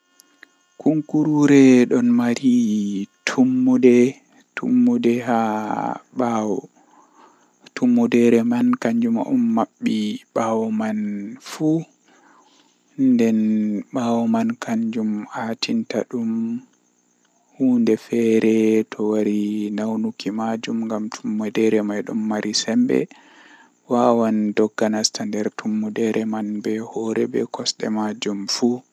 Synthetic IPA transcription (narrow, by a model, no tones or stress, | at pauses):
kuŋkuɾuɾɛɗɔnmaɾitʰumːudɛ | tʰumːudɛɦa | ɓawɔ | tʰumːudɛɾɛmankaɲd͡ʒumʔɔ̰mːaɓːiɓawɔmanfu | ndɛnɓawɔmankʰaɲd͡ʒumhaːtʰintaɗum | huːndɛfɛɾɛtʰɔwaɾinawnukimad͡ʒumŋɡamtʰumːudɛɾɛmajɗɔmːaɾʔisɛmbɛ̰ | waːwandɔɡːanastandɛɾtʰumːudɛɾɛmanbɛhɔɾɛbɛ̰kɔsɗɛ̰mad͡ʒumfu